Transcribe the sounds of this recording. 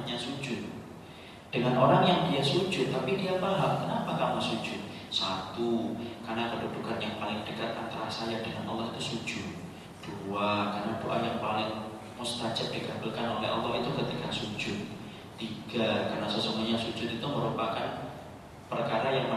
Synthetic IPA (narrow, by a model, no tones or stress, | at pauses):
ɲasu̥d͡ʒʊt̪̚ | d̥əŋanoɾaŋjaŋdiasud͡ʒʊt̪ːapidiapaɦam̚kənapakamasud͡ʒʊt̪̚ | sat̪ukarnakədudukanjaŋpalɪŋdəkat̪ant̪aɾa̰sajadəŋanʔɔlːɑhit̪usud͡ʒʊt̪̚ | d̥uakarnadoʔa̰jaŋpalɪŋ | must̪ad͡ʒəp̚dikabəlkanolɛ̰ɑ̰lːɔɦit̪ukət̪ikasu̥d͡ʒʊt̪̚ː | iɡ̥akarnasəsoŋɡuɲasud͡ʒʊt̪it̪uməɾupakan | pərkaɾajaŋmə